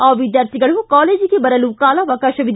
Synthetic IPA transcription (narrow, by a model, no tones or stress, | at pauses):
ɔːʋɪd̪jaːɾt̪ʰiɡɐɭɦukɔːleːd͡ʒikebɐɾəluːkaːlaʋɐkɐʃɐʋɪd̪